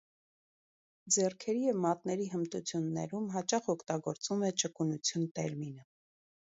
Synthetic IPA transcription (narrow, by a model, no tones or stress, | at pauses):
d͡zɛrkʰɛɾijɛvmɑt̪nɛɾiɦəmt̪ut͡sʰjunːɛ̰ɾumɦɑt͡ʃɑχɔkʰt̪ɑɡɔɾt͡sumɛt͡ʃəkunut͡sʰjunt̪ɛɾminə